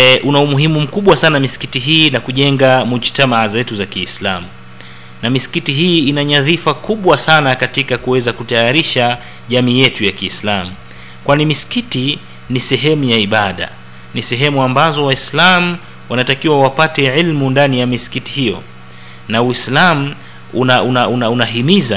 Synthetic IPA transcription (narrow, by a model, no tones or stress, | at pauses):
ʔunaumuɦimum̩kuɓwasanamisi̥kitiɦiːnakuʄɛŋɡamud͡ʒtamaʕazɛtuzakiːsla̰mu | namisi̥kitiɦiːinaɲaðifakuɓwasanakatikakuwɛzakutajaɾiʃa | ʄamiːjɛtujakiːslamu | kwanimisi̥kiti | nisɛɦɛmujaiɓaɗa̰ | nisɛɦɛmuambazɔwaislamu | wanatakiwawapatɛʕilmundanijamisi̥kitihijɔ̰ | nauislam̩ | unaunaunaunaɦimiza